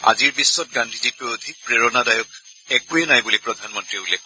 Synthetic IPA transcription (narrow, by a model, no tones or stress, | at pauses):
a̰ziɹbisːɔtɡandʱizitujodʱik̚pɹeɹɔnadajɔk | ɛkuɛnajbulipɹɔdʱanmɔntɹiulɛk